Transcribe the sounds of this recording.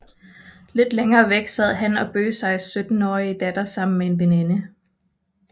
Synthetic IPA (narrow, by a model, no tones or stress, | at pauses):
le̝d̥leŋɐːʋeɡ̥sæð̰ˠɦænɒ̽b̥ø̰ːsɑ̈ɪsød̥n̩ɒːiəd̥æd̥ɐsɑ̈m̰n̩mee̝nʋene̝nə